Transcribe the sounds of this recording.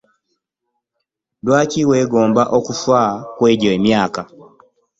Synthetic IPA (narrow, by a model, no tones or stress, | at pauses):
dwaːciwe̞ːɡo̞ːmbaʔokufwakwe̞ːɟoemjaːka